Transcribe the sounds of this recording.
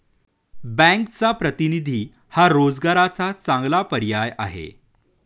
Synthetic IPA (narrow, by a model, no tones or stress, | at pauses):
bɛ̃ŋkt͡sapɾət̪inid̪ʱiː | haɾod͡zɡaɾat͡sat͡sãŋɡlapəɾjaja̰ɦḛ